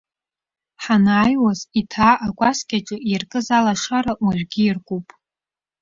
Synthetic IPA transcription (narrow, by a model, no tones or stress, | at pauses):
ħanaːjwazitʰaːʔakʷaskʲaʈ͡ʂʼɨirkʼɨzalaʂaɾaʔaʒᶣɡʲiirkʷʼupʼ